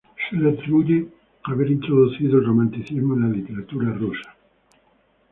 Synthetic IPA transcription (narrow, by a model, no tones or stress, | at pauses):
seleat̪ɾiβuʝe | aβeɾint̪ɾoðuθiðoelromãnt̪iθizmoenlalit̪eɾat̪uɾarusḁ